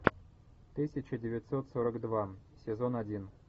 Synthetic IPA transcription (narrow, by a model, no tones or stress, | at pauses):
t̪ɨsʲɪt͡ɕədʲɪvʲɪt̪so̞t̪soɾəkd̪vasʲɪzo̞nadʲin